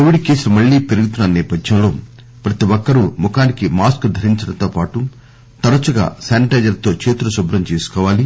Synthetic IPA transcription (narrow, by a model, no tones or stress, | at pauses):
koʋiɖke̞ːsulumɐɭːiːpeɾuɡut̪unːɐnɛːpɐd̪jɐmlo̞ː | pɾɐt̪iwɔkːɐɾumukaːnikimaːskd̪ʱɐɾiɲt͡ʃɐɽɐnt̪oːpaːʈu | t̪ɐɾɐt͡ʃuɡa̰ːsaːniʈeːd͡ʒɐɾt̪o̞ːt͡ʃeːt̪ulɐʃubɾɐmt͡ʃeːsu̥kɔːʋaːli